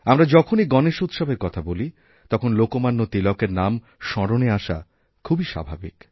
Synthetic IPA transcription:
amɾad͡ʑɔkʰoniɡɔneʃut̪ʃabʱeɾkɔt̪ʰaboli | t̪ɔkʰonlokomanːot̪ilɔkeɾnam | ʃɔɾoneaʃa̰ | kʰːubiʃa̰bʱabḭk

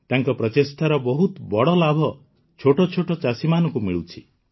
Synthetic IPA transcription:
t̪aŋkɔpɾɔt̪est̪ʰaɾɔbɔɦut̪bɔɽɔlabʱɔ | t͡ʃʰoʈɔt͡ʃʰoʈɔt͡ʃasimanɔŋkumiɭut͡ʃʰi

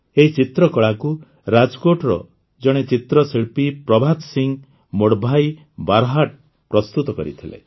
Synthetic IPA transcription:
eɦit͡ʃit̪ɾɔkɔɭaku | ɾad͡ʒɔkoʈɾɔ̰ | d͡ʒɔɽ̃et͡ʃit̪ɾɔsiɭpipɾɔbʱad̪siŋ | moɽbʱaj | baɾɦaʈ | pɾɔst̪ut̪ɔkɔ̰ɾḭt̪ʰilḛ

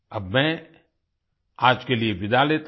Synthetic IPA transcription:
ɐbmɛ̃ | aːd͡ʒkelieʋɪd̪aleːt̪

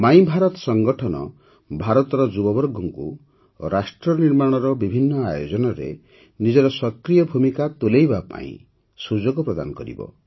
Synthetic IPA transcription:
maĩbʱaɾɔt̪ɔ̥sɔŋɡɔʈʰɔnɔ̰ | bʱaɾɔt̪ɔɾɔd͡ʒubɔbɔɾɡɔŋkṵ | o̰ɾasʈɾɔniɾmaɽ̃ɔɾɔbibʱinːɔajod͡ʒɔnɔɾḛ | nid͡ʒɔɾɔsɔkɾijɔbʱumikat̪olejbapa̰ḭ̃ | sud͡ʒɔɡɔpɾɔd̪a̰nɔkɔɾḭbɔ̰

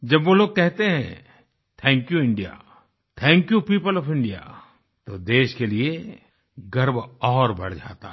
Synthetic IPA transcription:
d͡ʒɐbʋoloːɡ̚kɛɦt̪eɦɛ̰̃ | t̪ʰɛ̃ːŋkjuɪ̃ɳɖija̰ː | t̪ʰɛ̃ːŋkjupiːpəlɔːfɪ̃ɳɖija̰ | t̪od̪eːʃkelie | ɡɐɾbɔːɾbɐ̰ɽd͡ʒa̰ːt̪a̰

